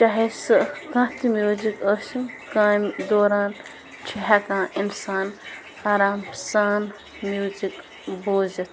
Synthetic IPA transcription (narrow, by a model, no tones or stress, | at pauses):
t͡ʃaɦesɨkãt̪imjuːd͡ʒikəsinkãːmd̪oːɾaːn | t͡ʃʰiɦakãːinsaːn | aːɾaːmsaːn | mjuːd͡ʒik | boːzɐt̪ʰ